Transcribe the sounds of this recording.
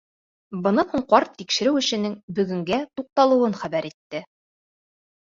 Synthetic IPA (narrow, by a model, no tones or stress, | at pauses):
bɤ̆nɤhuɴqɑɾt̪ːikʃɘ̆ɾɘwɘ̆ʃɘ̆nɘŋbɵ̆ɡɵ̆ŋɡæt̪uq̚t̪ɑlˠɤ̆wɤnχæbæɾit̪ːɘ